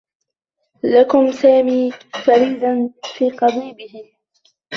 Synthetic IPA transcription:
lakʊmsaːmiːfaɾiːd̪anfiːqɑbiːbɪhɪ

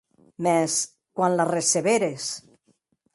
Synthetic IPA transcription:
mɛs | kwanlareseβeɾes

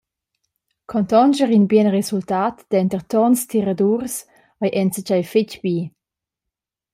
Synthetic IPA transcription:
kʰɔnt̪ɔnd͡ʒəʁinbjɛnʁesultatd̥̪ɛntərtɔnstʰiʁaduɾs | ajʔɛnt͡sət͡ʃajfet͡ʃbi

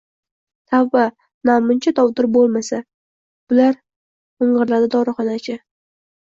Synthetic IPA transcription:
t̪ʰavːa | namʊnt͡ʃʰat̪ʰɒwd̪ɪɾbolˠmasa | b̥ʊlaɾ | ʊɴɢɨɾlad̪ad̪ɒɾɨχɒnat͡ʃʰa

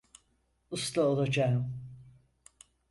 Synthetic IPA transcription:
ust̪laolˠad͡ʒaːɯm

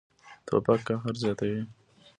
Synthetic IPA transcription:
t̪ʰo̰pakːaɦaɾzɑt̪awi

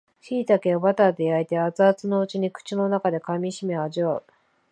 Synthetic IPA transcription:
ɕiːt̪ake̞obat̪ad̪e̞ait̪e̞at͡sɨat͡sɨno̞ɯ̟t͡ɕiɲ̟ikɯ̥t͡ɕino̞nakad̪e̞kamʲiɕimeaʑio

